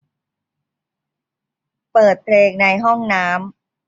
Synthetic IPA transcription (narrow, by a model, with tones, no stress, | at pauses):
pɤː˨˩t̪̚pʰleː˧ŋna˧jɦɔ˥˩ŋnaː˦˥m